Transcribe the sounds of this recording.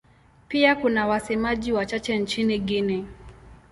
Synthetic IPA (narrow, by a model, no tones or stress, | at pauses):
piakunawasɛmaʄiwat͡ʃat͡ʃɛnt͡ʃiniɠini